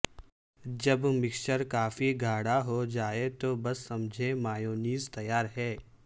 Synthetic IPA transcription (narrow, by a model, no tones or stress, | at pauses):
d͡ʒɐbmɪkʃəɾkaːfiɡʱaːɽaɦod͡ʒaːet̪oːbɐsːɐmd͡ʒʱemaːjoːniːzt̪ɐjaːɾɦɛː